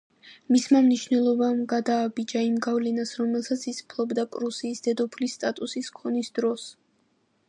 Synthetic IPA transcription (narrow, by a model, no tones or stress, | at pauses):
mismamniʃvnɛlˠɔbamɡad̪aːbid͡ʒaimɡavlɛnasɾɔmɛlˠsat̪sʰispʰlˠɔbd̪apʼɾusiːsd̪ɛd̪ɔpʰlist̪ʼat̪ʼusiskʰɔnisd̪ɾɔs